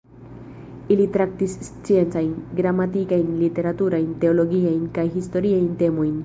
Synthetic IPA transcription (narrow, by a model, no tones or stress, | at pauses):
ilit̪ɾak̚tist͡sie̞nt͡sajnɡɾamatikajnlite̞ɾatuɾajnte̞olo̞ɡiajnkajɦisto̞ɾiajnte̞mo̞jn